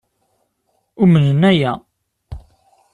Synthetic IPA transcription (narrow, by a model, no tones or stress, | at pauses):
ʊmənənæjæ